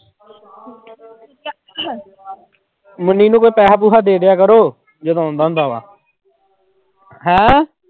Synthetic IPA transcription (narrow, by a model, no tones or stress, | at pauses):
məniːnũːkoːiːpɛːɦaːp̬uːɦaːd̪eːɽɪjaːkəɾoː | d͡ʒəd̪õːnd̪ãːnd̪aːʋa̰ː | ɦɛ̃ː